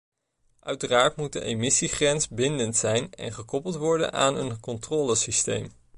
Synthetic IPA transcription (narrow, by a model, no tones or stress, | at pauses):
ʔœɥtəraːɹtmut̚də̰ʔejmɪsiχrɛnsbɪndəntsɛjnɛ̰nχəkɔpəlˠtʋɔɹdə̰nʔa̰ːnənkɔntrɔːləsistḛjm